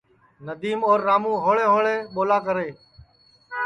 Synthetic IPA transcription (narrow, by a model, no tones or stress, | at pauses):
nəd̪iːmoːɾːaːmũːɦoːɭeːɦoːɭeːɓoːlaːkəɾeː